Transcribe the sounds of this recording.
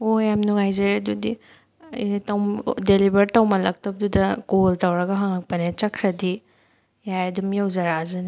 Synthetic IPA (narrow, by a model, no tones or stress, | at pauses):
ojamnuŋajzɐɾadudi | tawmdelibɐɾtawmɐlɐk̚tɐp̚dudɐkoltawɾɐɡɐɦaŋlɐk̚pɐnet͡ʃɐkʰɾɐdi | jajɐdumjawzɐɾazɯn